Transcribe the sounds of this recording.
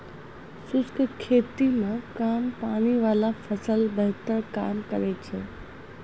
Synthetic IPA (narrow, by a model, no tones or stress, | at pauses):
sʊskkʰeːt̪imãkaːmpaːɽ̃iʋaːlafɐsəlbɐɦt̪əɾkaːmkɐ̰ɾet͡ɕʰeː